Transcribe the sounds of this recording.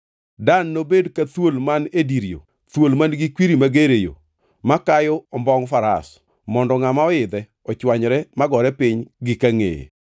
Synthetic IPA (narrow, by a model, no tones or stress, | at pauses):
danːobedkat̪wolmanediɾijo̰ | t̪wolmanɡikwiɾimaɡeɾejo̰ | makajɔɔmbɔŋfaɾa̰s | mɔndɔŋamaɔɪd̪ɛ | ɔt͡ʃwaɲɾɛmaɡɔɾɛpɪɲɡɪkaŋḛjḛ